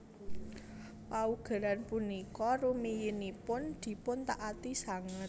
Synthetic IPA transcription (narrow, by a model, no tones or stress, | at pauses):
pauɡ̥a̤ɾanpunikɔrumijinipʊnd̪̥i̤pʊnt̪aʔat̪isaŋɪt̪̚